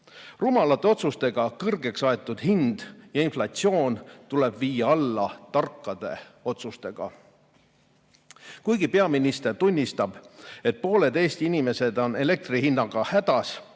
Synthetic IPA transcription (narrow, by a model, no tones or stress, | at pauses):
rumɑlɑt̪ːˑe̞o̞t̪sust̪e̞ɡ̥ɑkɤrɡ̥e̞ksɑe̞t̪ːˑud̪̥hind̪̥jɑinflɑt̪sio̞ːnt̪ule̞b̥viːjɑɑlːɑt̪ɑrkːɑd̪̥e̞o̞t̪sust̪e̞ɡ̥ɑ̰ | kujɡipe̞ɑminist̪e̞rt̪unʲːist̪ɑb̥e̞t̪̚po̞ːle̞d̪e̞ːst̪iinʲime̞se̞d̪̥o̞ne̞le̞k̚t̪rihinːɑɡ̥ɑhæd̪̥ɑs